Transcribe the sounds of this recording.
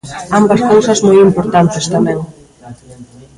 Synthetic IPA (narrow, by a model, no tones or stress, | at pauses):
ambɐskowsɐzmojimpoɾt̪ant̪est̪amɛ̃ŋ